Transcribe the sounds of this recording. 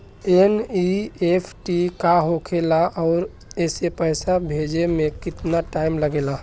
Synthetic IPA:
eniepʰʈikaɦokʰelaʔɔːɾ | esepəɪsabʱed͡ʒemekɪt̪naʈaɪmləɡela

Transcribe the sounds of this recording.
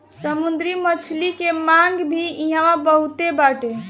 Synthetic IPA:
səmund̪ɾimət͡ʃʰlikemaŋɡbʱiiɦãʋãbəɦut̪ebaʈe

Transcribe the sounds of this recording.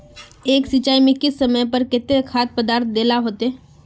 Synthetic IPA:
eːksɪt͡ʃaːimẽkɪsːəməjpəɾkɪt̪ːekʰaːt̪̚pəd̪aːɾt̪̚ʰd̪eːlaɦoːt̪ɛː

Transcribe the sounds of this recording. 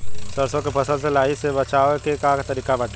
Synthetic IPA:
səɾsõkepʰəsəlselaːisebət͡ʃaːekekakat̪əɾiːkabaʈː

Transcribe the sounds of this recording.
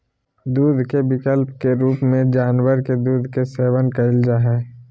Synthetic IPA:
d̪uːd̪ʱkebɪkəlpkeɾuːpmẽd͡ʒaːnwəɾked̪uːd̪ʱkeseːwənkəɪld͡ʒaɦɛː

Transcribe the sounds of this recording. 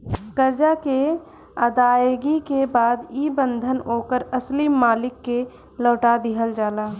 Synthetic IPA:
kəɾd͡ʒake | əd̪aːjɡikebaːd̪ibə̃nd̪ʱənoːkəɾəslimːaːlɪkːe | lɔːʈad̪ɪɦəld͡ʒaːlaː

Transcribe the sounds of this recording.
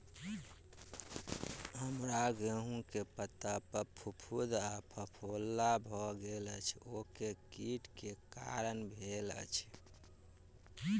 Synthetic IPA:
ɦəmɾaɡeɦũkepət̪apəpʰupʰud̪apʰəpʰolːabʱɔɡelət͡ʃʰokekiʈkeka̰ɾənbʱelə̰t͡ʃʰ

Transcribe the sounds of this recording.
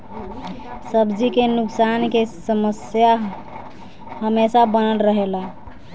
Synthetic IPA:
səbd͡ʒikenuksankesəməsja | həmesabənəlɾəɦela

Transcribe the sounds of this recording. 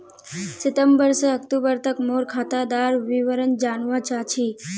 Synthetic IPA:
sɪt̪əmbəɾseək̚t̪ubəɾt̪əkmoːɾkʰaːt̪ad̪aːɾʋiʋəɾənd͡ʒaːnʋãt͡ʃaːt͡ʃʰiː

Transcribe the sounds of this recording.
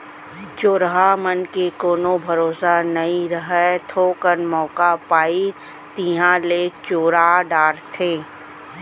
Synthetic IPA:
t͡ʃoːɾɦamənkekoːnobʱɐɾoːsanɐĩɾəɦɛt̪ʰoːkənmɔːkapaːi | t̪iːɦãlet͡ʃoːɾaɖaːɾt̪ʰẽː

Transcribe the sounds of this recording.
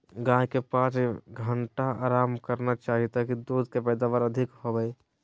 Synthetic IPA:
ɡãːɦkepaːsɡʱəɳʈaaːɾaːmkəɾnat͡ʃaːɦit̪akid̪oːd̪kepɛːd̪aːʋaɾəd̪ʱɪkɦobɛe

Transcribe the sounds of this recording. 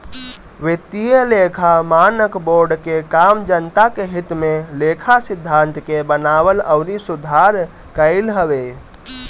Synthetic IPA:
ʋet̪ijəlekʰamanəkboɾɖkekamd͡ʒənt̪akeɦit̪melekʰasid̪ʱːant̪kebənabələwnisud̪ʱaɾ | kəɪlɦəbe

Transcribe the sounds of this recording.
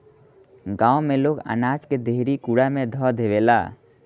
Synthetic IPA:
ɡãːomẽloːɡə̰naːd͡ʒked̪eɦɾikuɽamẽd̪ʱɔd̪ʱeʋeːla̰ː

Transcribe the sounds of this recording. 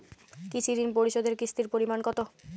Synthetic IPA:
kit͡ɕʰiɾinpoɾiʃod̪eɾkɾist̪iɾpoɾimankɔt̪o

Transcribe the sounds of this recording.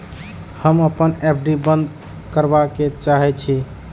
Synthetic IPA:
həməpənɛp̚ʰɖibənd̪ | kəɾbaket͡ʃaɦɛt͡ʃʰi

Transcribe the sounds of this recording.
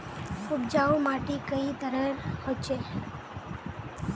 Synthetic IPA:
ubd͡ʒaomaʈekəit̪əɾəɾhot͡ʃʰe

